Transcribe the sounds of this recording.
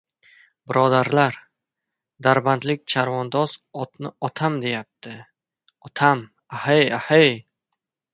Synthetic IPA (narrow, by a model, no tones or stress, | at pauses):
bɪɾɒd̪aɾlaɾ | d̪aɾbant̪lɪk̚ʲt͡ʃʰaɾvɒnd̪ɒzɒt̪nɪɒt̪ʰamd̪e̞jap̚t̪ʰɪ | ɒt̪ʰam | ahejahej